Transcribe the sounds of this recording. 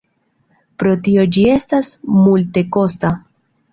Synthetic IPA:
pɾo̞tio̞d͡ʒie̞stasmulte̞ko̞sta

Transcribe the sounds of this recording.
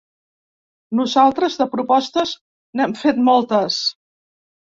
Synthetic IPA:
nuzalˠt̪ɾəzðəpɾupɔst̪əz | nɛmfet̪mɔlˠt̪əs

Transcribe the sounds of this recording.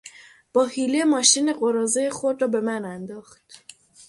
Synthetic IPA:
b̥ɒːhilemɒːʃine̞ɢoɾɒːzejexod̪rɒːbe̞mænænd̪ɒːxt̪

